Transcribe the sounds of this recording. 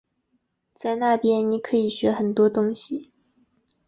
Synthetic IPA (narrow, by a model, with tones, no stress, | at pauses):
t͡sa˥˧ɪna˥˩pjɛ˥nni˧˥kʰɤ˧˥i˨˩ɕɥɛ˧˥xə˨˩nt̪wɔ˥t̪ʊ˥ŋɕi˨˩